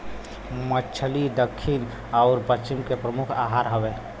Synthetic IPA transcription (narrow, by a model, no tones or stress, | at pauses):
mət͡ʃʰəlid̪əkʰːin | aʊɾpət͡ʃɪmkepɾəmukʰaɦaːɾɦəʋeː